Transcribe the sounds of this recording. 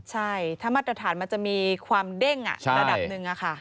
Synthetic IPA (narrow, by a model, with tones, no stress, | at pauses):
t͡ɕʰa˥˩jt̪ʰa˧˩maː˧˩t̪ɾt̪ʰaː˩˦nma˧nt͡ɕa˨˩ʔmiː˧kʰwaː˧mde˥˩ŋʔa̰˨˩t͡ɕʰa˧ɾa˧da˨˩pnɯ˨˧ŋʔa˨˩kʰa˥˩